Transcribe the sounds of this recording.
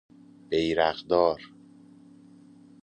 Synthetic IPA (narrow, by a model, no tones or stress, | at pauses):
b̥ejɾæɣd̪ɒːɾ